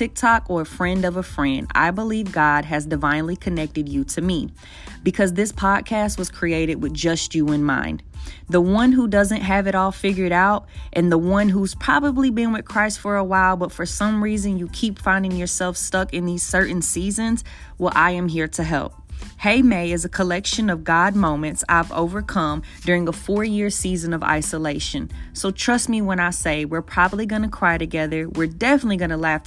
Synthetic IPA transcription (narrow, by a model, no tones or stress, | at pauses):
tʰɪk̚tʰɑkə˞əfɹɛ̃ndʌvəfɹɛ̃nda̰ɪbəlivɡɑd̚ɨzdɨvãɪ̃nlikʰɨnɛk̚tɨdɨɾɨmi | b̥ɨkʰʌzðɪspʰɑd̥̚kʰæst̚wʌz̥kʰɹ̥ieɪɾɨd̚wɨðd͡ʒʌst͡ʃɨɨ̃nmã̰ɪ̃nðəwʌ̃nɦudʌzɨ̃nʔɦɨvɨɾɔlˠfɪɡjə˞ɾaʊɾʔɨ̃nðəwʌ̃nɦuz̥pʰɹ̥ɑbəblibɨ̃nwɨð̥kʰɹ̥aɪstfə˞əwaɪlˠbʌtfə˞sʌ̃mɹizɨ̃njɨkʰipfãɪ̃ndɪ̃ŋjə˞sɛlˠfstʌkɨ̃nðiz̥sɜ˞ʔn̩sizɨ̃nz̥ | wəlʔa̰ɪɨ̃mɦiɹɾɨɦɛ̰lˠp̚heɪmeɪɨzɨkʰəlɛkʃɨ̃nʌvɡɑd̚mõʊ̃mɨ̃ntsa̰ɪvo̰ʊvə˞kʰʌ̃mdʊɹɪ̃ŋəfɔɹjɪɹsizɨ̃nʌva̰ɪsəleɪʃɨ̃nsoʊtʰɹ̥ʌst̚miwə̃ñaɪseɪwɪɹpʰɹ̥ɑbəbliɡʌnɨkʰɹ̥aɪɾɨɡɛðə˞wɪɹdɛfənətˡliɡʌñəlæf